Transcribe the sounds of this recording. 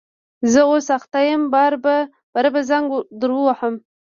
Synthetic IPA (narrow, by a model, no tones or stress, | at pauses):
zəosaxt̪ajəmbɑɾba | b̥aɾabazaŋɡd̪əɾwəwaħəm